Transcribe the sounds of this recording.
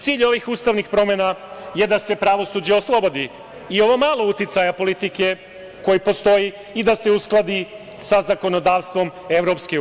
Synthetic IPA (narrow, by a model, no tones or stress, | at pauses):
t̪siːʎo̞ʋixuːst̪aʋnixpɾo̞menaje̞d̪ase̞pɾaʋo̞suːd͡ʑeo̞slˠo̞bo̞d̪i | io̞ʋo̞maːlo̞ut̪it̪sajapo̞lit̪ike̞ | ko̞jipo̞st̪o̞jiː | d̪ase̞usklˠad̪i | sazako̞no̞d̪aːʋst̪ʋo̞me̞vɾo̞pske